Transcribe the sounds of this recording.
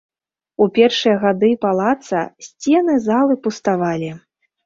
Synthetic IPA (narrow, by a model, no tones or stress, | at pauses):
upʲɛrʂɨjɐɣad̪ɨpalˠat̪sɐ̰sʲt͡sʲɛnɨzalˠɨpust̪avalʲi